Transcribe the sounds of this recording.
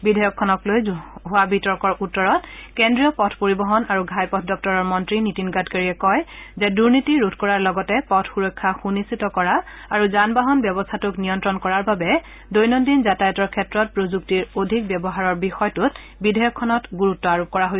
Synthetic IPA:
bidʱɔjɔkʰːɔnɔklojɦʊwabʱitɔɹkɔɹʔutːɔɹɔtkendɹijɔpɔtʰpoɹibɔɦɔnaɹuɡʱajpɔtʰdɔk̚tɔɹɔɹmɔntɹinitinɡatkaɹiɛkɔjzɛduɹnitiɹutʰkɔɹaɹlɔɡɔtɛpɔtʰxuɹɔkʰːaxunisitɔkɔɹa | aɹuzanbaɦɔnbjɔbɔstʰatʊknijɔntɹɔnkɔɹaɹbabɛ | dojnondinzatajɔtɔɹkʰɛtɹɔt̚pɹozuk̚tiɹodʱik̚bɛbɔɦaɹɔɹbixɔjtut | bidʱɔjɔkʰːɔnɔtɡuɹutːɔaɹup̚kɔɹaɦojsɛ

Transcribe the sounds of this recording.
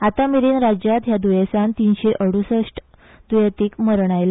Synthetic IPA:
at̪amiɾiːnɾad͡ʑjat̪ɦjad̪ujesãnt̪inɕeʔəɽusəʂʈ | d̪ujat̪iːkməɾɳ̃ajla

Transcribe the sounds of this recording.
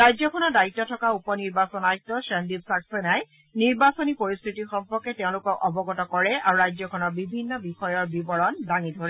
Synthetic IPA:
ɹajzɔkʰɔnɔɹdaitːɔtʰɔkaupɔniɹbasɔnajk̚tɔʃɛndibsaksɛnaj | niɹbasɔnipoɹist̪ʰitixɔmpɔɹkɛtɛeʊ̃lʊkɔkɔbɔɡɔtɔkɔɹɛaɹuɹajzɔkʰɔnɔɹbibʱinːɔbixɔjɔɹbibɔɹɔndaŋidʱoɹɛ

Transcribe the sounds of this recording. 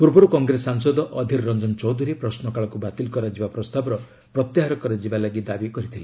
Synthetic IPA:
puɾbɔɾukɔŋɡɾesaŋsɔd̪ɔʔɔd̪ʱiɾɾɔnd͡ʒɔnt͡ʃɔwd̪ʱuɾipɾɔsnɔkaɭɔkubat̪ilkɔɾad͡ʒibapɾɔst̪abɔɾɔ | pɾɔt̪jaɦaɾɔkɔɾed͡ʒibalaɡid̪abikɔɾit̪ʰili

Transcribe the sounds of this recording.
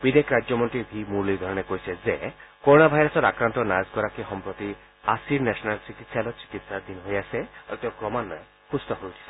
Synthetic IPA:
bid̪ekɾad͡ʑjɔmɔnt̪ɾibʱimuɾliɾd̪ʱɔɾɔnekojsʰezekoɾonabʱajɾɔsɔɾakɾant̪ɔnazɡɔɾakiɦɔmpɾot̪i | asiɾnɛsɔnalt͡ɕikit̪ʃalɔt͡ɕi̥kit̪sad̪inɦojasʰeɔ̰t̪eokɾɔmanːɔe | hust̪ɔɦout̪ʰi̥sʰe

